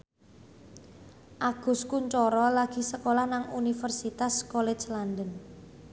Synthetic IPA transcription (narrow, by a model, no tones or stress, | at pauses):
ʔaɡ̥ʊ̤skuɲt͡ʃɔɾɔlaɡ̥i̤səkolahnaŋunifərsit̪askɔlɛ̥d͡ʒland̪ən